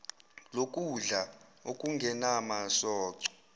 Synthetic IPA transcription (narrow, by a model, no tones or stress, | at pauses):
lokʼuɮaokʼuŋɡʱɛnamasɔːǀɔ̥